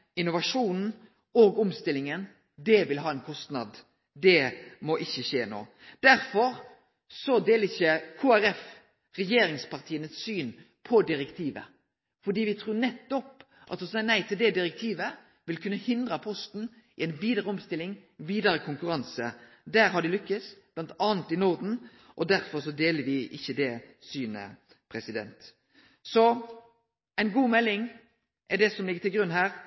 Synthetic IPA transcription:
ɪnʊʋɑʂuːnn̩ | oːɡɔmst̪ɪlːɪŋən | d̪ɛʋɪlɦɑːɛnkʰɔst̪nɑ̰d̪ | d̪ɛmɔʔɪçːəʃeːno̰ː | d̪æɾfɔʁ | sɔd̪eːlɪçəkʰuːæɾɛf | ʁɛjeːɾɪŋspɑʁt̪ʰiːənəssyːn | pʰɔd̪ɪɾɛkt̪ʰiːʋə̰ | fɔd̪iːʋɪt̪ʰɾuːnɛt̪ːɔp | ʔɑt̪ʊsɑnæɪt̪ʰɪld̪ɛd̪ɪɾɛk̚t̪ʰiːʋə | ʋɪlkʰʉnːəhɪnd̪ʁɑpʰɔst̪n̩ | ʔɪɛɪnbiːd̪əʁəɔmst̪ɪlːɪŋʋiːd̪ɑɾəkʰʊŋkʉɾɑnsə | d̪æːɾɦɑɖɪlʏkːəsb̥lɑnt̪ɑːnt̪ɪnɔʁd̪n̩ | ʔɔd̪æɾfɔʁsɔd̪eːləɾʋɪʔɪçːəd̪ɛsyːnə̰ | pʰʁɛsɪd̪ɛ̰nt̪ | sɔ | ɛɪnɡuːmɛlːɪŋ | ʔɛd̪ɛsɔmlɪɡət̪ʰɪlɡɾʉnːhæːʁ

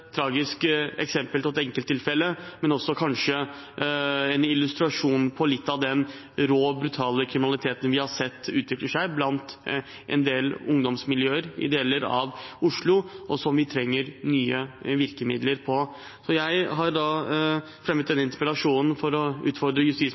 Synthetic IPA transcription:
t̪ʰɾɑːɡɪskɛ̰ksɛmpəlt̪ʰɔɛt̪ɛŋkəlt̪ʰːɪlfɛlːəmɛnɔsːɔkʰɑnʂə | ɛnɪlʉst̪ɾɑʂuːnpʰɔlɪt̪ːɑʋd̪ɛn | ɾoːbɾʉt̪ʰɑːləkʰɾɪmɪnɑlɪt̪ʰeːt̪ən̩ʋɪhɑʂɛt̪ːʉːt̪ʰʋɪkləʂæɪblɑnt̪ | ʔɛ̰nd̪eːlʊŋd̪ɔmsmɪljøːəɾɪ̰d̪eːləɾɑ̰ʋʊʂɭʊʔɔsɔmʋɪt̪ʰɾɛŋːəɾnyːəʋɪɾkəmɪ̰d̪ləɾpʰɔ | sɔjæɪɦɑɾd̪ɑ | fɾɛmət̪d̪ɛnːəɪnt̪əɾpɾəlɑʂuːnn̩fɔɾɔʉ̰ːt̪fɔɖd̪ɾəjʉst̪iːs

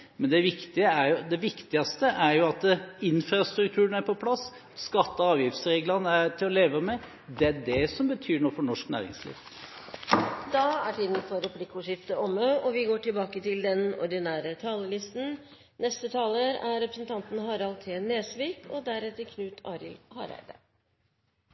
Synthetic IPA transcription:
mɛnd̪ɛʋɪkt̪ɪəæɾjʊd̪ɛʋɪkt̪ɪɑst̪əʔæɾjʊɑt̪ɪnfɾɑst̪ɾʉkt̪ʰʉːnæɾpʰɔpʰlɑs | skɑt̪ːɑɑːʋjɪft̪sɾeːɡlɑnəæt̪ʰɪlɔleːʋəmɛ | d̪ɛæɖɛsɔmbət̪ʰyːɳɔfɔɳɔʂknæ̰ːɾɪ̰ŋslḭːʋ | d̪̥ɑːæʈiːd̪n̩fɔɾɛpʰlɪkːʊʂɪft̪əɔməʔɔʋɪɡoːʈɪlbɑːkət̪ɪld̪ɛnɔ̰ɾd̪ɪnæːɾət̪ʰɑːləlɪst̪n̩ | nɛst̪ət̪ʰɑːləɾæɾɛpɾəsən̩t̪ʰɑnt̪n̩hɑːɾɑlt̪ʰeːneːsʋiːkɔd̪æɾɛt̪ːəɾkʰnʉːt̪ʰɑ̰ːɾɪ̰lhɑ̰ːɾæ̰ɪd̪ə̰

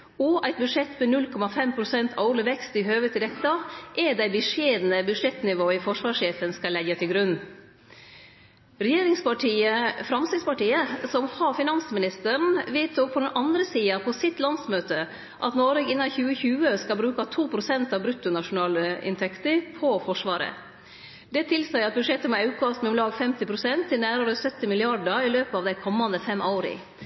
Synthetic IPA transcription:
ɔʔæɪt̪̚bʉʂɛt̪ːmɛnʉlkʰɔmɑfɛmpʰɾʊsɛnt̪ʰɑ̰ʊɾlɪʋɛkst̪ɪɦøːʋət̪ɪd̪ɛt̪ːɑʔɛdæɪbəʂeːd̪nəbʉʂɛt̪nɪʋoːɪfɔʂʋɑːʂeːfənskɑlɛɡət̪ɪlɡɾʉnː | ɾɛjeːɾɪŋspɑʈʰiːəfɾɑmst̪ɪspɑʈiːəsɔmhɑɾfɪnɑnsəmɪnɪst̪əɳ̩ʋeːt̪ʊpʰːɔd̪ɛnʔɑnd̪ɾəsiːɑpʰɔsɪt̪lɑnsmøːt̪ə | ʔɑ̰t̪noːɾɛɡɪnːɑçʉːəçʉːəskɑlbɾʉːkɑt̪ʰuːpʰɾʊsɛnt̪ɑʋbɾʉt̪ːʊnɑʂʊnɑːləɪ̰nt̪ʰɛkt̪əɾpʰɔfɔʂʋɑːɾə̰ | d̪ɛt̪ʰɪlsæɪɑt̪̚bʉd̪ʂɛt̪ːəmɛɑʉkʰɑsmɛʊmlɑːɡfɛmt̪ɪpʰɾʊsɛnt̪ʰːɪlnæːɾəɾəsœt̪ːɪmɪlɪɑɖəɪløːpəɑʋd̪æɪkʰɔmːɑnd̪əfɛmʔɑʊɾɪ̰

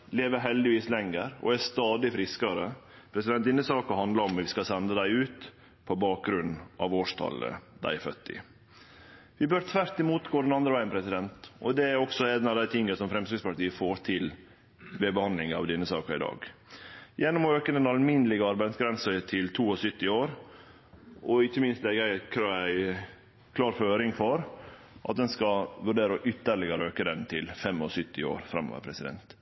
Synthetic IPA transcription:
leːʋəɾɦɛld̪ɪʋiːslɛŋːəɾɔ̰æst̪ɑːd̪ɪfɾɪskɑɾə | pʰɾɛsɪd̪ɛnt̪d̪ɪnːəsɑːkəhɑnd̪lɑɾɔmʋɪskɑsɛnd̪əd̪æɪʉːt̪ | pʰɔbɑːk̚ɡɾʉnːʔɑ̰ʋoːʂt̪ʰɑ̰lə̰d̪æ̰ɪfœ̰t̪ːɪ̰ | ʋɪbøːɾt̪ʰʋæɾt̪ɪmuːt̪ɡoːd̪ɛnɑnd̪ɾəʋæɪnpʰɾɛsɪd̪ɛnt̪ɔd̪ɛæɾɔksɔed̪nɑʋd̪æɪt̪ʰɪŋːəsɔmfɾɛmsɾɪspɑʈ̪iːəfoːɾt̪ʰɪl | ʋebəhɑnd̪lɪŋɑ̰ʋd̪ɛnːəsɑːkəɾɪ̰d̪ɑ̰ːɡ | jɛnːɔmɔøːkəd̪ɛnɑlmɪnəlɪɡəɑɾbæɪd̪sɡɾɛnsət̪ʰɪlt̪ʰuːɔsʏt̪ːɪoːɾ | ɔɪçːəmɪnst̪lɛɡæɪkʰɾɑæɪ | kʰlɑːɾføːɾɪŋfɔɾ | ʔɑ̰t̪̚d̪ɛnskɑʋʉɖeːɾəʔʏt̪ːəɾɭɪɡəɾəøːkəd̪ɛnt̪ʰɪlfɛmɔ̰sʏt̪ːɪo̰ːɾfɾɑ̰mːo̰ʋə̰ɾpʰɾɛsɪd̪ɛ̰nt̪

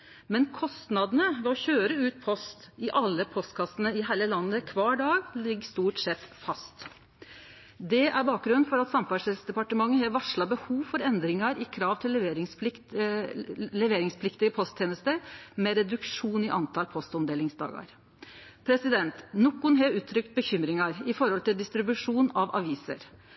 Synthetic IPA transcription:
mɛnkʰɔst̪nɑd̪ənəʋɛɔçøːɾəʉːt̪̚pʰɔst̪ɪʔɑlːəpʰɔst̪kʰɑsənəɪhæːləlɑnːəkʰʋɑːɖɑːɡlɪɡːst̪uːʈsɛt̪fɑst̪ | d̪ɛʔæɾbɑːk̚ɡɾʉnnfɔɾɑt̪sɑmfɑʂɛlsd̪ɛpɑʈəmɑŋːəɦɑɾʋɑʂɭɑbəhuːʋfɔɾɛnd̪ɾɪŋɑɾɪkʰɾɑːʋt̪ʰɪlːʋeɾɪŋsɪ | lɛʋeːɾɪŋspʰlɪkt̪ɪəpʰɔst̪ʰjeːnəst̪əɾmɛɾɛd̪ʉkʂuːnɪʔɑnt̪ʰɑlpʰɔst̪ɔmd̪eːlɪŋsd̪ɑ̰ːɡɑ̰ɾ | pʰɾɛsɪd̪ɛnt̪nɔkːʊnɦeʉːt̪ʰːɾʏkt̪̚bəçʏmɾɪŋɑɾɪfɔɾhɔlt̪ɪld̪ɪst̪ɾɪbʉʂuːnɑʋʔɑ̰ʋiːsə̰ɾ

